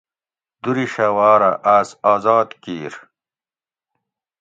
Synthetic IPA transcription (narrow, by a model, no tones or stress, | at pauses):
d̪̥uɾiɕɐwaːɾɐʔaːsaːzaːd̪kiːɾ